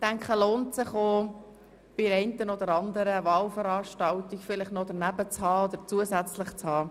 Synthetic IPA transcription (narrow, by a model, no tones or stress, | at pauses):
tæŋkχəloːntsɪχo | b̥ɪɾɛɪntənod̪əɾɑnd̪əɾəvɑːlfəɾɑːʃtɑltikfɪlɪχtnɔd̥̪əɾnæbət͡shɑːod̪əɾt͡suəsɛt͡slɪχt͡shɑː